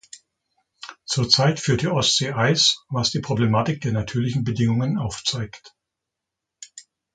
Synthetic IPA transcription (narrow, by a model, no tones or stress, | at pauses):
t͡suːɐt͡saɪtfyːɐtd̥iːʔɔstz̥eːʔaɪsvasd̥iːpʁ̥oblemaːtɪk̚d̥eːɐnatʰyːɐlɪçn̩bədɪŋʊŋənaʊft͡saɪkt